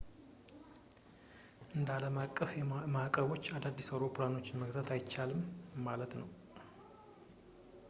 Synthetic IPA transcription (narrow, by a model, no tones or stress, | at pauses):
ʔɨnd̪aləmakʼːəfjɛmakʼːəβo̞t͡ʃːad̪ad̪ːisawɾo̞pʰlano̞t͡ʃːɪnməɡzat̪ʰajt͡ʃːalɨmmalət̪nəw